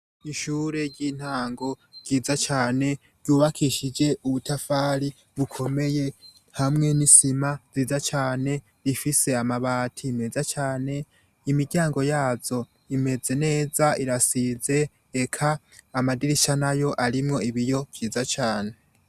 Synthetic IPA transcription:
iʃuːɾe̞ɾɟiːn̥haːŋɡo̞̥ɟ̥iːzat͡ʃaːne̞ | ɾjuːβakʰiʃid͡ʒe̞ʔuβutʰafaːɾi | βukʰo̞me̞je̞ | hamŋe̞nisimaz̥iːzat͡ʃaːne̞ | ɾifise̞amaβaːtʰime̞zat͡ʃaːne̞ | imidɟaːŋɡo̞jaːzo̞ | ime̞ze̞ne̞ːzaiɾasize̞ː | kʰaː | madiɾiʃanajo̞ʔaɾimŋo̞iβijo̞v̥jiːzat͡ʃaːne̞

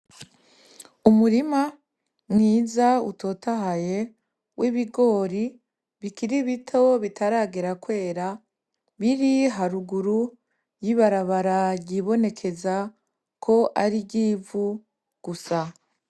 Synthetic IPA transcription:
umuɾima | mŋiːzaṵtʰo̞ːtaɦaje̞ | wʔiβiɡo̞ːɾi | βikiɾiβitʰo̞βitaɾaːɡeɾakwe̞ːɾa | βiɾiɦaɾuɡuɾu | jiβaɾaβaɾaɾɟiβo̞ne̞kʰe̞za | kʰo̞ʔaɾiɟiːvu | ɡ̥usa

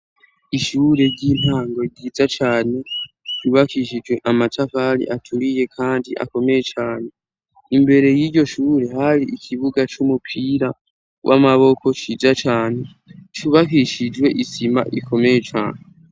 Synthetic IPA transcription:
iʃuːɾe̞ɾɟiːn̥haːŋɡo̞ɟiːzat͡ʃaːne̞ | ɟuβakiʃid͡ʒwe̞ʔamatʰafaɾḭʔatʰuɾije̞kʰaːndiʔa̰ko̞me̞je̞t͡ʃaːne̞ | imbe̞ɾe̞jiɟo̞ʃuːɾe̞haɾiʔikʰiβuɡat͡ʃumupʰiːɾa | wʔa̰maβo̞ko̞t͡ʃiːzat͡ʃaːne̞ | t͡ʃuβakiʃid͡ʒɡwe̞ʔisima̰ʔḭko̞me̞je̞t͡ʃa̰ːne

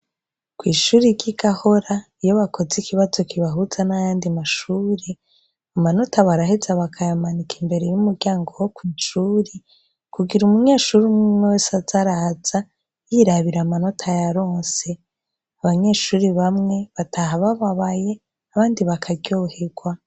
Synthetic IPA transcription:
kwiːʃuːɾiɟiɡaho̞ɾaijo̞βako̞zikiβazo̞kiβaɦuz̥anajaːndimaʃuːɾe | amano̞tʰaβaɾahezaβakʰajamanikʰimbe̞ɾejumuɾɡɟaːŋɡo̞wokwiːnʃuːɾi | kuɡiɾumuɲeːʃuɾimŋimewesazaɾaz̥a | jiɾaβiɾamano̞tʰajaɾo̞ːnse̞ | aβaɲe̞ʃuːɾiβamŋe̞βatʰaɦaβaβaβaje̞ | aβaːndiβakʰaɟɟo̞ːhe̞ɡ̥wa

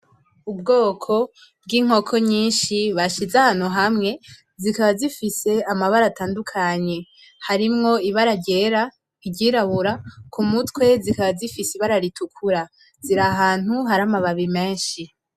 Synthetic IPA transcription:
ub̚ɡo̞ːkʰo̞ | b̚ɡiːŋ̥o̞kʰo̞ɲiːnʃiβaʃizahaːn̥huɦamŋe̞ | zikaβazifise̞amaβaɾataːndukʰaɲe̞ | haɾimŋo̞iβaɾaɟe̞ɾa | iɟiːɾaβuɾakʰumutwe̞zikaβazifisiβaɾaɾitʰukʰuɾa | ziɾaɦaːn̥huɦaɾamaβaβime̞ːnʃi

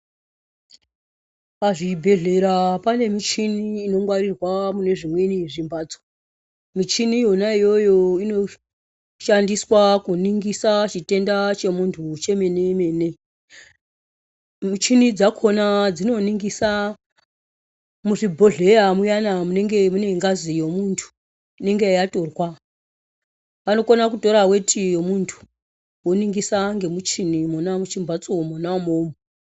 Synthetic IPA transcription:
paʐibʱe̞ɮe̞ɾapane̞mit͡ʃiniːno̞ŋwaɾirwamune̞ʐimweniʐimbaːd͡zo | mit͡ʃinijonaijo̞jo̞ino̞ | ʃandiswakuniŋɡisat͡ʃite̞ndat͡ʃe̞muntʰut͡ʃe̞me̞neme̞ne̞ | mut͡ʃinid͡zakʰo̞nad͡zino̞niŋɡisa | muʐibʱo̞ɮe̞jamujanamune̞ŋɡe̞mune̞ŋɡazijomuntʰu̥ | neŋɡejato̞rwa | ʋano̞konakuto̞ɾawe̞tʰijo̞muntʰu̥ | woniŋɡisaŋɡe̞mut͡ʃinimonamut͡ʃimbʱat͡somonamoːmo

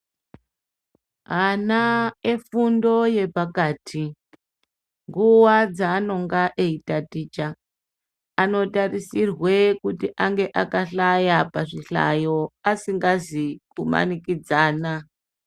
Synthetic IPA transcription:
ɦanaefundo̞je̞pakaːtʰi | ŋɡuwad͡zaːno̞ŋɡaʔeitatiːt͡ʃaː | no̞tarisirwe̞kutiʔaŋɡe̞ʔakaɬajapaʐiɬa̰jo̞asiŋɡazikuma̰nikid͡zaːna

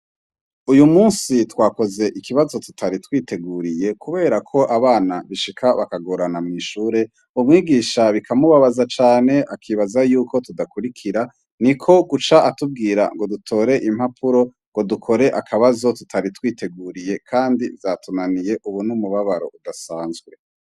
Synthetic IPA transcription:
ujumuːnsitwaːko̞ze̞ʔikʰiβazo̞tu̥tʰaɾitwiːte̞ɡuːɾije̞kʰuβe̞ːɾakʰo̞ʔaβaːnaβiʃikʰaβakaɡoɾanamŋiʃuːɾe̞ | umŋiːɡiːʃaβikʰamuβaβazat͡ʃaːne̞ʔakʰiβazajuːkʰo̞tudakuɾikʰiɾa | nikʰo̞ɡut͡ʃaʔatub̚ɡiːɾa̰ŋɡo̞dutʰo̞ːɾe̞ʔim̥hapʰuɾo̞ | ŋɡo̞dukʰo̞ɾe̞ʔakʰaβazo̞tutʰaɾitwiːte̞ɡuːɾije̞kʰaːndivzatʰunanije̞ʔuβunumuβaβaɾo̞̰udasaːnzɡwe̞

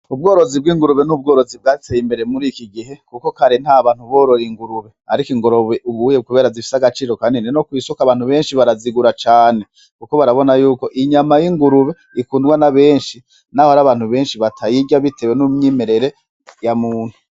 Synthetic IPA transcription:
ub̚ɡo̞ːɾo̞zib̚ɡiːŋɡuɾuβenub̚ɡo̞ːɾo̞zib̚ɡaːɾitejimbe̞ɾe̞muɾikiɡiɦe̞kuko̞kaɾin̥haːβaːn̥uβo̞ːɾo̞ɾiŋɡuɾuβe̞haɾikiŋɡo̞ɾo̞βeʔuβujekuβe̞ːɾazifi̥saɡat͡ʃiːɾo̞kanineno̞kwiːsukaβaːn̥huβe̞ːnʃiβaɾaziɡuɾat͡ʃaːne̞ | kuko̞βaɾaβo̞najuːko̞ʔiɲamajiŋɡuɾuβe̞ | ikuːndɡwanaβe̞ːnʃi | nahohaɾaβaːn̥huβe̞ːnʃiβatʰajiɟaβitʰe̞wenumɲiːmeɾe̞ɾe̞ | jamuːnhu

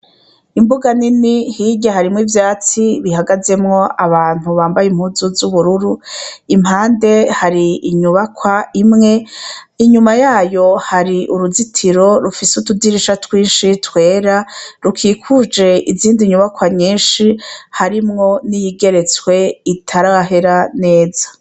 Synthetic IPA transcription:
imbuɡaninihiɟaɦaɾimŋivjaːt͡siβihaɡaze̞mŋo̞ʔaβaːn̥uβaːmbajim̥huːzuzuβuɾuɾuim̥haːnde̞haɾiiɲuβakwaimŋe̞ | iɲumajaːjo̞haɾiʔuɾuzitʰiɾo̞ɾufisutudiɾiʃatwiːnʃitwe̞ːɾaɾukʰikʰud͡ʒe̞iziːndiɲuβakwaɲiːnʃihaɾimŋo̞nijiɡe̞ɾe̞t͡swe̞itʰaɾaɦe̞ɾane̞ːzḁ

